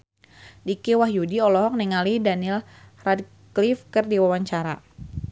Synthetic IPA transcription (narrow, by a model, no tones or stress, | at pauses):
dikewahjudiɔlɔɦɔk̚nɛŋalidanil | rad̚ | klifkərdiwawaɲt͡ʃaɾa